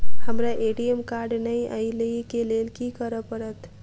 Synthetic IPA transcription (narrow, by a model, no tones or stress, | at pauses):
həmɾaʔeɖiemkaɾɖnəjə̰jləjkelelkikəɾəpəɾət̪